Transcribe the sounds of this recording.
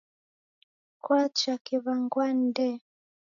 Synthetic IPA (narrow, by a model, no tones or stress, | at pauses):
kwat͡ʃakiβaŋɡwandɛ